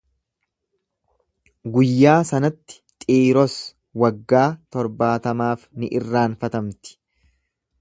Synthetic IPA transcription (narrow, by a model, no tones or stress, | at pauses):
ɡʊjːaːsɐnɐt̪ːɪ̥t̪ʼiːɾɔs | wɐɡːaːt̪ɔɾbaːt̪ɐmaːfnɪʔɪrːaːnfɐt̪ɐmt̪ɪ̥